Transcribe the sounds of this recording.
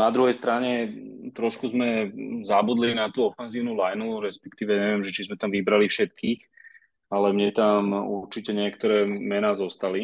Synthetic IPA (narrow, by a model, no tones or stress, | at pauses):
nad̪ɾuɦɛjst̪ɾaɲɛt̪ɾɔʃkuzmɛzabud̪linat̪uːɔfɛnziːʊnulajnuɾɛspɛ̥kt̪iːʋɛɲɛʋɪɛmʒɛt͡ʃizmɛt̪amʋibɾalifʃɛt̪̚kiːx | alɛmɲɛt̪amuɾt͡ʃicɛɲɪɛkt̪ɔɾɛːmɛnaːzɔst̪ali